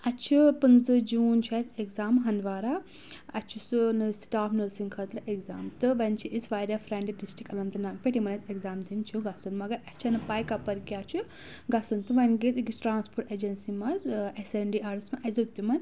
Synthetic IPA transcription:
ɐt͡ʃʰupɨnzɨd͡ʒuːnt͡ʃʰaːsekzaːmɦɐnd̪ʋaːɾaː | ɐt͡ʃʰusunsʈaːpnɐɾsiŋkʰɐt̪ɾɨʔekzaːmt̪ɨʋɐnt͡ʃʰiʔisʋaːjɾjafɾeɳɖiɖisʈɾikɐlɐnt̪ɐnaːk̚pʲeʈimɐnɐsekzaːmd̪int͡ʃʰuɡɐsunmɐɡɐɾɐt͡ʃʰɐnɨpɐːjkɐpːɐɾkʲjaːt͡ʃʰu | ɡɐsɐnt̪ɨʋɐnɡet̪ɡisʈɾaːnspoːɾʈeːd͡ʒɐnsimɐzeseɳɖiːʔaːɾismɐʔɐzɐt̪ːimɐn

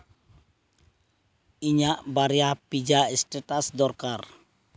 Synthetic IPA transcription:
iɲaʔbaɾiahpid͡ʒaɛstɛt̪asdɔrkar

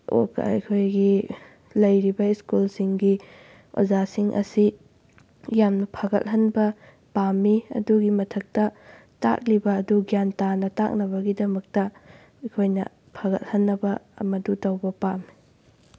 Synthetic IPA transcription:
o̰kɐ̰ɐ̰jkʰojɡi | lɐjɾibɐiskulsiŋɡi | o̰zasiŋʔɐ̰si | jamnɐpʰɐɡɐ̰l̚hɐnbɐ | pamːiɐ̰duɡimɐtʰɐk̚tɐ | ta̰k̚libɐːduɡjantanɐta̰k̚nɐβɐɡidɐmɐk̚tɐ | ɐkʰojnɐ̰ | pʰɐɡɐ̰l̚hɐnːɐbɐɐ̰mɐdutɐwbɐpami

